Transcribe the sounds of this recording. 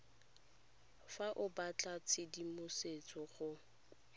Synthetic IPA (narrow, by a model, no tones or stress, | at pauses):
faʔʊbat͡ɬʼat͡sʰɪdimʊset͡sʼɔχʊ